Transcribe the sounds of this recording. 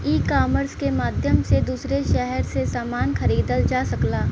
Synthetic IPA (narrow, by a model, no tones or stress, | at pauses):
iːkaːməɾskemaːd̪ʱjəmsed̪uːsɾeʃɛɦɛɾsesaːmaːnxɐɾiːd̪əld͡ʒaːsɐklaː